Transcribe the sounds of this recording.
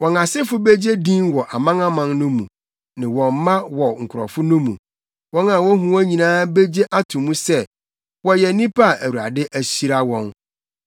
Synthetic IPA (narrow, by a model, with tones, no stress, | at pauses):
wɔ̃˨na˨sɪ˦fʊ˦be˦d͡ʑe˦dĩ˦nwɔ˨ʔa˨mã˦ŋã˦mã˨nnʊ̃˦mũ˨ | nɪ̃˨wɔ̃˨m˦mã˦wɔ˨ŋ̩˨kʰʊ˨ɾɔ̰˨fʊ˦nʊ̃˦mṵ̃˨ | wɔ̃˦nã˨wɔ̃˦ɦũ˦æ˦ɲĩ˨nãː˦be˦d͡ʑe˦ʔa˦tʰʊ̃˨mũ˦sɛ˦ | wɔ˦jɛ˨˦nĩ˦pʰa˦a˦˨ʔæ˨wu˨ɾa̰˨dɪ˦ʔæ˨ɕi˦ɾa˦wɔ̃˦˨n